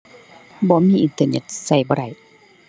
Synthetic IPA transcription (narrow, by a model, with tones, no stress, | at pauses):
bɔː˧˦miː˧˥˨ʔi˧nt̪ɤː˧ne˧˩t̪̚sa˧˩jbɔː˧˦ɾa˧˩j